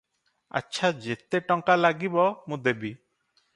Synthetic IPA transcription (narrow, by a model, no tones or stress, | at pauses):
a̰tːʃʰad͡ʒet̪eʈɔŋkalaɡibɔmũd̪ebi